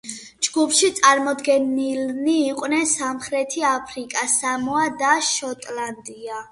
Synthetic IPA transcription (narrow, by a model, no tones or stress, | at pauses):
d͡ʒɡupʰʃit̪sʼaɾmɔd̪ɡɛnilniːqʼwnɛnsamχɾɛt̪ʰiapʰɾikʼasamɔad̪aʃɔt̪ʼland̪ia